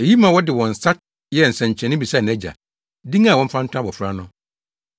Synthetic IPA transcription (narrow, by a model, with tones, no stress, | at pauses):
e˨ji˦mã˨wɔ˦dɪ˨wɔ̃˨n̩˨sa˦t̚ | jɛ˦˨n̩˨sɛ̃˨ɲ˨t͡ɕʰɛ̃˨nɪ̃˦bi˨sa˦˨ñ˨æ˦d͡ʑa̰˨ | dĩ˦ŋã˦˨wɔ̃˦m̩˦fã˦n̩˦tʰʊ̃˦a˦bɔ˨fɾa˦nʊ̃˦